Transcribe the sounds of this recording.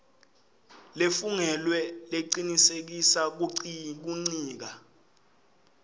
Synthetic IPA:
lefuŋɛlwɛleǀinisek̬isak̬uk̬uŋ͡ǀiːk̬a

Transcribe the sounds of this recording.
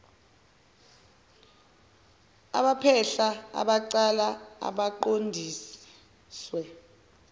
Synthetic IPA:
a̰ɓapʰɛɬaa̰ɓaǀalaa̰ɓaǃondʱiːs | swɛ

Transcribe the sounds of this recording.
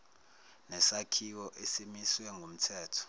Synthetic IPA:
nɛsakʰiwɔʔesimiswɛŋɡʱum̩tʰɛːtʰɔ̥

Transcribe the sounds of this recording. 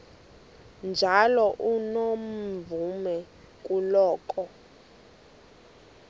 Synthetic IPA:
nd͡ʒʱalɔʔunom̩vumɛ | k̬ʼulɔːkʼɔ

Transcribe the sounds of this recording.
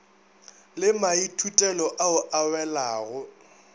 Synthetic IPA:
lɪmaitʰutʼɛlɔʔaʊʔawɛlaːɣʊ

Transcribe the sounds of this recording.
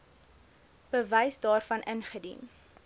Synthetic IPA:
b̥əvɛjsdɑːrfɐnʔənχədḭn

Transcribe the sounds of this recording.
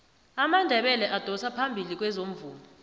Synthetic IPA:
amandʱɛɓɛlɛʔad̥ʱɔsapʰambʱilik̬ʼwɛzom̩vuːlɔ

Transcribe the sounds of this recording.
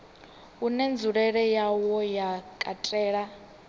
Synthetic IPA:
unɛnd͡zuɺɛɺɛjawɔjakʼatʼɛːɺa

